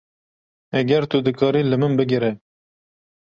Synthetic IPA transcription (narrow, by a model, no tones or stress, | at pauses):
ɛɡɛɾt̪ud̪ɨkʰɑːɾiːlɨmɨnbɨɡɪɾɛ